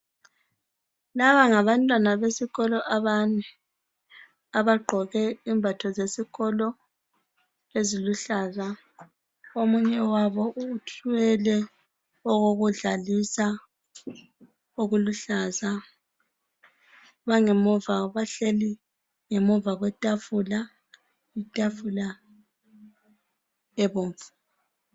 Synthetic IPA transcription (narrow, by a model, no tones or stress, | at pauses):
laβaŋaβantʼwanaβesiɣɔlɔʔaβanɛ | aβaɡ͡ǃʱɔɣɛimbʱatʰɔzesiɣɔlɔ | eziluɬaza | omuɲɛwaβɔʔuːtʰʼɛlɛ | ɔɣoɣuɮalisa | oɣuluɬaza | βaŋemɔvaβaɬeli | ŋemɔvaɣwɛtʼafula | itʼafula | ɛβoːɱfu̥